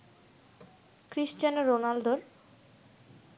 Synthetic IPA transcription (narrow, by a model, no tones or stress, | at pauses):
kɾiʃt͡ɕanɾonald̪oɾ